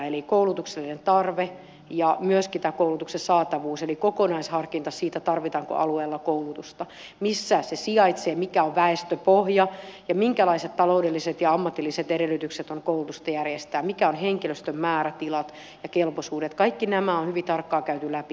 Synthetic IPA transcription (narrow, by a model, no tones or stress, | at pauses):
elikoulut̪ukselːinent̪ɑrʋe | jɑmyøskit̪æːkoulut̪uksesɑːt̪ɑʋuːselikokonɑishɑrkint̪ɑsiːt̪æt̪ɑrʋit̪ɑːŋko̰ʔɑlueːlːɑkoulut̪ust̪ɑ | misːæsesiɑit̪seːmikæoʋʋæest̪øpohjɑjɑmiŋkælɑiset̪t̪ɑloudelːiset̪jɑɑmːɑt̪ːilːiset̪eɾelːˑyt̪ykset̪oŋkoulut̪ust̪ɑjærjest̪æːmikæonheŋkiløst̪ømmæːɾæt̪ilɑt̪ | jɑkelposuːdet̪kɑikːinæmæonhyʋit̪ɑrkːɑːkæyt̪ylæpi